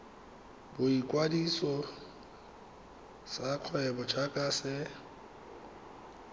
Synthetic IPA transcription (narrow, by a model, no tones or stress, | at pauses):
bʊikʼwadisɔ | saq͡χʰwɛbɔt͡ʃʰakʼasɛ